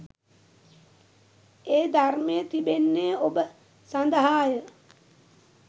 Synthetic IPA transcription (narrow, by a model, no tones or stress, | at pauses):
eːd̪armejət̪ibenːeobə | sand̪əɦaːjə